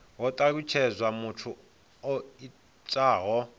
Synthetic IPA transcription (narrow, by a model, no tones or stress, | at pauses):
ɦɔtʼaɺ̬ʼut͡ʃʰɛzʷwamutʰu | ɔi | t͡ʃʼaːɦɔ